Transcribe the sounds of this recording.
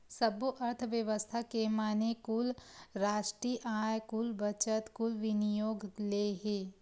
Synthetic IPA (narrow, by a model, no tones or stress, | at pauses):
sɐbuʔɐɾt̪ʰʋjəʋəst̪ʰakemaːnekʊlɾaːʃʈɾiːʔaːjkʊlbɐt͡ʃət̪kʊlʋɪnijoːɡleːɦeː